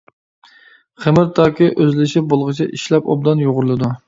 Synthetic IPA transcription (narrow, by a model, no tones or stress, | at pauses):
χɪmɪɾt̪ʰɑːkʲiʔøzlɪʃɪp̚bolˠʁɨt͡ʃʰɛʔiʃlɛpo̰b̚d̪ɑnjoʁʊɾɨlˠɨd̪u